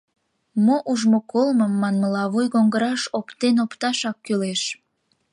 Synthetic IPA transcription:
moʔuʒmokolməmːɑnməlɑβujɣoŋɡəɾɑʃopt̪enopt̪ɑʃɑkːyleʃ

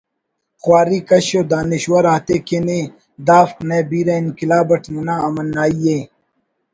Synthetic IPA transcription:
xwaːɾiːkɐɕoːd̪aːniɕwɐɾaːt̪eːkene | d̪aːfkneːbiːɾɐinkilaːbɐʈʰmɐnaːɐmɐnːaːije

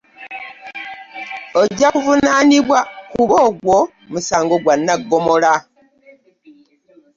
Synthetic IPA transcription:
od͡ʒavunanibwakuβɔɡwɔ | musaŋɡɔɡwanːaɡɔmola

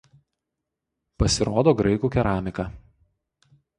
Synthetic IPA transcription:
pɐsʲɪɾoːd̪oːɡɾɐɪkuːkʲɛɾɑːmʲɪkɑː

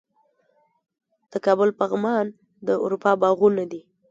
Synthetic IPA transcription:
d̪̥əkɑbʊlpaɣmɑn | d̪əṵɾupɑbɑɣunad̪i

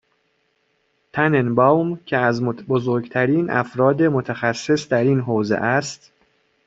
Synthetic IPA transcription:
t̪ʰænenbɒwmcʰeæzmobozoɾɡt̪ʰæɾiːnæ̰fɾɒːd̪e̞mo̞t̪ʰæxæsːe̞sd̪æɾiːnɦoːzḛʔæst̪

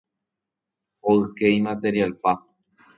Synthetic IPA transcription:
oɨkejmat̪e̞ɾialpa

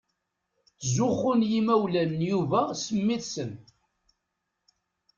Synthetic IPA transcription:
zʊχʊnjimæwlænːjuvæsəmːiθsən

